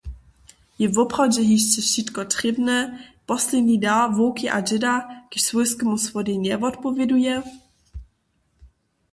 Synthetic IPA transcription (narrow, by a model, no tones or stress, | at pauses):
jɛvɔpχɔd͡ʑɛɦiʃt͡ʃɛʃit̪kɔt̪rɪbnɛpɔslɛdɲidavoːkɪʔad͡ʒɛdaɡ̥ɪʃsvojskɛmusvɔdiɲɛvɔt̪pɔvʲjɛdujɛ